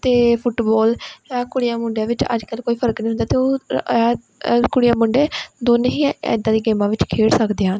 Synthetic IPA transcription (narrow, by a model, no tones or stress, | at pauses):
t̪eːpʰʊʈbɔːlaːkʊɽɪjaːmʊɳɖeãːʋɪt͡ʃə̰d͡ʒkəlkoːiːpʰəɾəknĩːɦʊnd̪aːt̪eːoː | kʊɽɪjãːmʊɳɖeːd̪oːnẽɦĩːɛ̰d̪aːd̪iːɡeːmãːʋɪt͡ʃkʰeːɽsəkd̪eːɦaːn